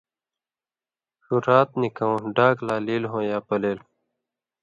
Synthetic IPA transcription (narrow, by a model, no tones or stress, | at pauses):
ʂuɾaːt̪̚nikɐõːɖaːklaːliːlɦõːjaːpɐleːl